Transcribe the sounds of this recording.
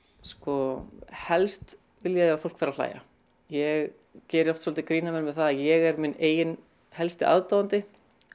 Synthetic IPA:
skɔhɛlst̪ | vɪljaafowl̥kfɛɾal̥a̰ːja̰ | jɛɣ | cɛːɾɪɔft̪sɔlt̪ɪkɾiːnamɛnmvɛðθaðajɛɣɛɾmɪneːjɪn | hɛlst̪ɪʔa̰ðt̪aːwant̪ɪ

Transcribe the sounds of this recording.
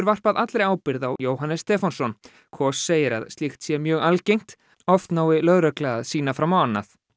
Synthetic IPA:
ɾvar̥paðʔat̪lɾejaːwpɪɾðawjoːwɦanːɛst̪ɛːfansɔn | kʰɔsːeːjɪɾa̰ðst̪lixt̪sjɛmjœːɣalcejŋ̥t̪ | ɔft̪naːwɪlœðɾœklɛaðsiːnafɾawmawanːa̰θ

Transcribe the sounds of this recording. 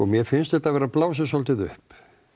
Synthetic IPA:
ɔmjɛfɪnst̪θɛht̪avɛːɾaplaːwsasɔlt̪ɪðʏ̰hp

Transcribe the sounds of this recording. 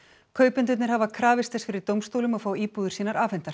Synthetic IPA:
kʰœːɥpʏnt̪ʏɪt̪nɪɾ̥havakʰɾaːvɪst̪ɛsfɪɾɪɾt̪owmst̪owlʏmafaːwiːpuːðʏ̥ɾsiːnaɾaːfɛnt̪aɾ̥

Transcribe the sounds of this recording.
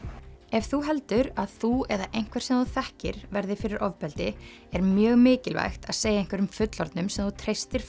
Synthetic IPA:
ɛvθuɦɛl̪t̪ʏɾaðθuɛðaʔejn̥kʰvɛɾ̥sɛmθuθɛhcɪ̰ɾ̥vɛɾðɪfɪɾɪɾʔɔvpɛlt̪ɪ | ɛɾmjœːɣmɪːcɪlva̰jxt̪aðseːjaejŋ̥kvɛɾʏmfʏt̪lɔɾt̪nʏmsɛmθut̪ʰɾejst̪ɪɾ̥

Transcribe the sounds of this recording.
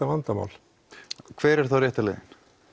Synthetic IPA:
avant̪ama̰wl | kʰv̥ɛːɾɛɾ̥θawrjɛːht̪alɛ̰jɪn

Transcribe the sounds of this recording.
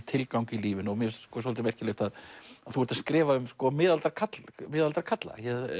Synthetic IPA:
t̪ʰɪlkawŋcɪiliːvɪnɔɣmjɛskɔsɔlt̪ɪmɛr̥cɪleːht̪aðaðθuvɛɾ̥t̪askɾɪːvaʏmskɔmɪːðalt̪ɾkʰat̪lmɪːðalt̪aɾkʰat̪la̰jɛ

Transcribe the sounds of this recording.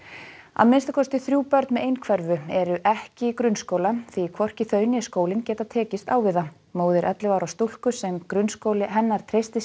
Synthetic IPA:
a̰ðmɪnst̪akʰɔst̪ɪθɾjuːpœɾt̪nmɛðejnkʰvɛɾvʏɛɾʏʔɛhcɪkɾʏnskoːwlaθikʰvɔr̥cɪθœːɥnjɛskoːwlɪncɛːt̪at̪ʰɛːcɪst̪aːwvɪða | moːwðɪɾʔɛt̪lɪvaːwɾawst̪ul̥kʏsɛmkɾʏnskowlɪɦɛnːaɾ̥t̪ʰɾejst̪ɪs

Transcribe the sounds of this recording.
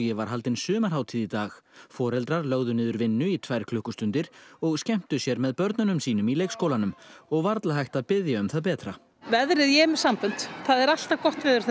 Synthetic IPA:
jɛvaɾ̥ɦalt̪ɪnsʏːmaɾ̥ɦaːwt̪ʰiðit̪aːxfɔːɾɛlt̪ɾaɾlœɣðʏnɪːðʏɾvɪnːʏit̪ʰvaːjɾ̥kʰlʏhkʏst̪ʏnt̪ɪɾ̥ɔɣscɛm̥t̪ʏsjɛɾmɛðpœɾt̪nʏnʏmsiːnʏmileːjkskoːwlanʏmɔɣvaɾt̪laɦajht̪aðpɪðjaʏmθaðpɛːt̪ɾa | vɛðɾɪðjɛmɛsampʏn̥t̪θaðɛɾal̥t̪akɔht̪vɛːðʏɾ̥θ

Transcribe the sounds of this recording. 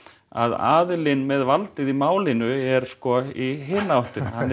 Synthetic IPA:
a̰ða̰ːðlɪnmɛðvalt̪ɪðimaːwlɪnʏɛɾ̥skɔiɦɪːnːaawht̪ɪnhanː

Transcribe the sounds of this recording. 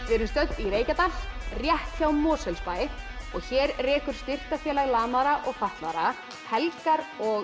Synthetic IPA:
vɪɾʏmst̪œt̪iɾeːjcat̪alrjɛht̪çawmɔːsɛlspaːjɪɔɣçɛːɾrɛːkʏɾ̥st̪ɪr̥kafjɛːlaɣlaːmaðɾaʔɔɣfaht̪naðɾa | hɛlkaɾɔɣ

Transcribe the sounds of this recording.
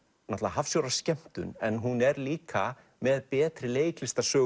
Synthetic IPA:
nat̪laaɦafsjoːwɾḁscɛm̥t̪ʏ̰nɛnɦunɛɾliːkʰa | mɛðpɛːt̪ɾɪleːjklɪst̪asœː

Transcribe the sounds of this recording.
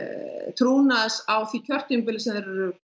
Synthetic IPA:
t̪ʰɾuːnasawθicʰœr̥t̪ɪmpɪlsɛmðɛɾ

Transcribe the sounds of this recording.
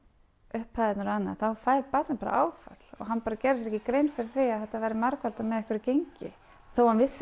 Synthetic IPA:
ʏhphajðɪt̪nʏɾanːa̰θawfajɾpat̪napaɾa̰ʔa̰ːwfa̰t̪l̥ɔ̰ɣɦanpaːɾacɛːɾɪs̬ɾɛhcɪkɾejnfɪɾɪɾ̥θɪaðθɛht̪ːavɛjɾɪmaɾkvalt̪amɛðɛhkvʏɾɪɾcejɲcɪ̰ | θowhanvɪs

